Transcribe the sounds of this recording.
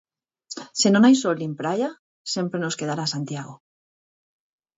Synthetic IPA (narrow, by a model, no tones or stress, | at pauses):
sinonajsolimpɾaja | sje̞mpɾeno̞ske̞ðaɾasant̪jaɣ̞o